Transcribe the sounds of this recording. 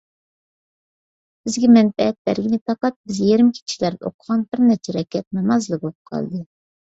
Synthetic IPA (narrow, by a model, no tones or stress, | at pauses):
b̥ɪzɡʲɛmɛnfɛɛt̪̚bæ̰ɾɡʲinɪt̪ʰɑqɑt̪̚bɪzjeɾɪmkʲʰi̥t͡ʃʰi̥ʃlæɾd̪ɛo̰qʰəʁɑnbɪɾnɛɾt͡ʃʰɛɾɛkʲʰːɛt̪̚nɑmɑzlˠɨbolˠɨp̚qʰɑ̰lˠd̪ɨ